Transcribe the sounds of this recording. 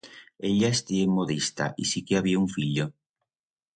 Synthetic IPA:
eʎaest̪iemoðist̪a̰ʔisikeaβiauɱfiʎo

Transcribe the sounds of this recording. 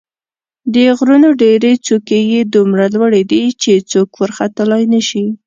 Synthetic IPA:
d̪əɣɾunoɖeɾet͡sukejed̪umɾalwəɽed̪it͡ʃet͡sokwəɾxat̪əlɑjnəʃi

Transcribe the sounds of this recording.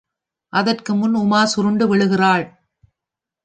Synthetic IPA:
ʔɐðɐrkɯmʊnʊmaːsʊɾɯɳɖɯʋɪɭɯɣɪraːɭ

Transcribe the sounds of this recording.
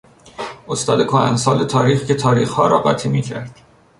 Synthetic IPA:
ost̪ɒːd̪ekʰoæ̰nsɒːlet̪ʰɒːɾiːxcet̪ʰɒːɾiːxhɒːɾɒ̰ːɢɒ̰ːt̪ʰimiːcʰæ̰ɾd̪̥

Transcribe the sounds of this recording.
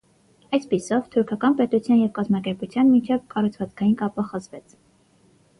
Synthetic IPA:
ɑjspisɔvt̪ʰuɾkʰɑkɑnpɛt̪ut͡sʰjɑnjɛvkɑzmɑkɛɾput͡sʰjɑnmint͡ʃʰɛvkɑrut͡sʰvɑt͡skʰɑjinkɑpəχəzvɛt͡sʰ

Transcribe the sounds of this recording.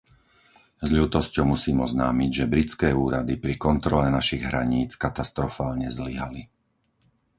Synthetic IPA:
zʎuːt̪ɔscɔʊmusiːmɔznaːmiɟʒɛbɾit͡skɛːuːɾad̪ipɾikɔnt̪ɾɔlɛnaʃiɣɦɾa̰ɲiːt͡skat̪ast̪ɾɔfaːlɲɛzliɦali

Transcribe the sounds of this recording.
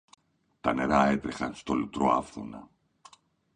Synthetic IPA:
t̪ɐne̞ɾɐe̞t̪ɾexɐnst̪o̞lut̪ɾoɐfθunɐ

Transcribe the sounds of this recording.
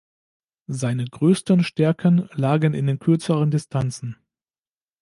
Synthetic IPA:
zaɪnəɡʁøːstənʃtɛɐkʰənlaːɡənɪ̰ndeːnkʰʏɐt͡səʁ̞əndɪstʰant͡sn̩

